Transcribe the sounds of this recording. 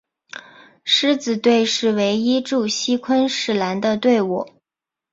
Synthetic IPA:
ʂɻ̩˥t͡sɹ̩˨˩t̪we˥˧ɪʂɻ̩˥˩we˧˥ɪi˥ʈ͡ʂu˥˩ɕi˥kʰwə˥nʂɻ̩˥˩la˧˥nd̪ə˧t̪we˥˩ɪwɔ˨˩˦

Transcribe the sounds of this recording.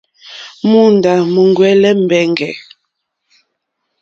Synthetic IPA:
mu˦nda˨mə˨ŋɡwɛ˦lɛ˦m̩˨bɛ˨ŋɡɛ˨

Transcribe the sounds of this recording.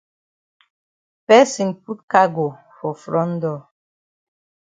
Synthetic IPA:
pɛ˦si˨npu˦t̚ka˦ɡo˨ | fɔ˨fɾɔ̃˦ndɔ˦˨

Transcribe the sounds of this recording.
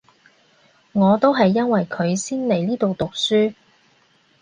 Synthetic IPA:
ŋɔː˨˧t̪o˥wɦɐ˨jːɐ˥nwɐ˨jkʰɵ˨˧ɥsiː˥nle˨˩jliː˥t̪o˨wt̪ʊ˨k̚syː˥

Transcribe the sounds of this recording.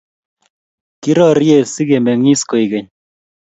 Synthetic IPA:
ki˦ɾɔ˦ɾje˦˨si˦ke˨mbɛ˨ŋi˦sko˨i˨kɛ˨ɲ

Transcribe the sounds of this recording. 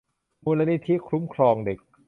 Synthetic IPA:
muː˧la˧˥ni˦˥t̪ʰi˦˥kʰɾu˦˥mkʰɾɔː˧ŋde˨˩k̚

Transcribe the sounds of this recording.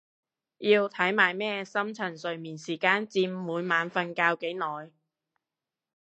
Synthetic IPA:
jiː˧wt̪ʰɐ˨˥jmaː˨˩jmɛː˥sɐ˥mt͡sʰɐ˨˩nsɵ˨ɥmiː˨˩nsiː˨˩kaː˧nt͡siː˧mmuː˨˧jmaː˨˧nfɐ˧nkaː˧wke˨˥jnɔː˨˧j

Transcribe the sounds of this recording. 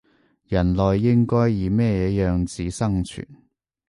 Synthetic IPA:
jɐ˨˩nlɔː˨jːɪ˥ŋkɔː˥jːiː˨˧mɛː˥˧jɛː˨˥jœː˨ŋt͡siː˨˥sɐ˥ŋt͡ʃʰy̰ː˨˩n

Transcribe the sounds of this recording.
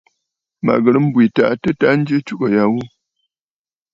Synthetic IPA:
ma̰˨ɡə˨ɾə˦m̩˦bwi˨ta̰˦˨ʔtə˦ta˦n̩˦d͡ʒə˦t͡ʃu˦kə˨ja˨wu˦

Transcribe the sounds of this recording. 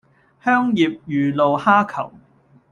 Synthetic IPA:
hœː˥ŋjiː˨p̚jyː˨lo˨whaː˥kʰɐ̰˨˩w

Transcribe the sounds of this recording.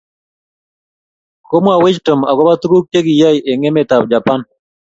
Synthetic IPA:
ko˦mwa˨wɪ˦t͡ʃto˨ma˨ɡɔ˦ba˦t̪ɡu˦k̚te˦ɡi˨ja˦jʔe˨ŋe˦me˨t̪a˨wd͡ʒa˨pa˦n

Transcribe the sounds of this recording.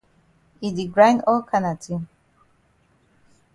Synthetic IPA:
i˨di˨ɡɹã˦jnɔ˦lkʰa˦na˨tʰĩ˦m

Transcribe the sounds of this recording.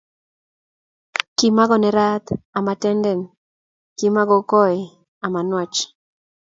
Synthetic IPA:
ki˨ma˦ɡɔ˨nɛ˨ɾa˦t̪a˨ma˨tɛ˦ndɛ˨n | ki˨ma˦ɡɔ˨kɔ˦ɛ˨ | a˨ma˨nwɔ˨t͡ʃ

